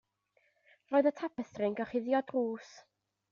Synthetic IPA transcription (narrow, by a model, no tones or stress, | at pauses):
roːɨðətʰapʰəsrɪŋɡɔχɪðjɔdruːs